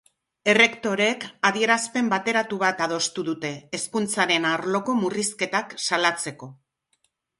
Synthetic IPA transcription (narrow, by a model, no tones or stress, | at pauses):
e̞re̞kt̪o̞ɾe̞kaðie̞ɾaspe̞mbat̪e̞ɾat̪uβat̪að̞o̞st̪uðut̪e̞ːskunt͡saɾe̞naɾlo̞ko̞muriske̞t̪aksalat͡se̞ko̞